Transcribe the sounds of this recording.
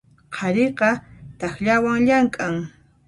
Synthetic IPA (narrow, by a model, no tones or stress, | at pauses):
qʰɑɾeqɑt̪ɑxʎawaŋʎaŋkʼaŋ